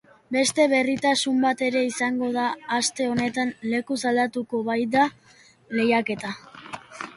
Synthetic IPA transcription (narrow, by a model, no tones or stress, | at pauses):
be̞st̪e̞βe̞rit̪asumbat̪e̞ɾe̞isaŋɡo̞ðaːst̪e̞o̞ne̞t̪anle̞kusald̪at̪uko̞βajd̪a | le̞jake̞t̪a